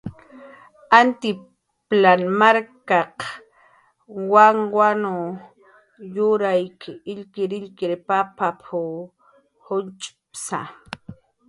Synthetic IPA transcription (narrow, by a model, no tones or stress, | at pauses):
ant̪ɪ | planmaɾkaq | waŋwano | jʊɾajkɪɪʎkɪɾɪʎkɪɾpapapʰʊ | hʊnt͡ʃʼpsa̰